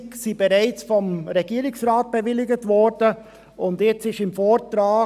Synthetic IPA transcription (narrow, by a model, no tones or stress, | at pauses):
ksib̥ɛɾaɪt͡sfɔmɾɛɡ̥iːəɾɪksɾaːt̚b̥ɛvɪlɪɡətvɔɾd̥ə | ʊndjɛt͡sɪʃɪmfoːɾtɾaː